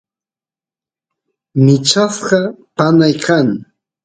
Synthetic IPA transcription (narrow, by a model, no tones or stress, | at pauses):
mɪt͡ʃasɢɑpanajkʰaŋ